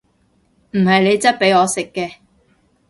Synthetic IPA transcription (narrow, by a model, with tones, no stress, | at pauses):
m̩˨˩hɐ˨jne˨˧jt͡sɐ˥t̚pe˨˥jɔː˨˧sɪ˨kːɛː˧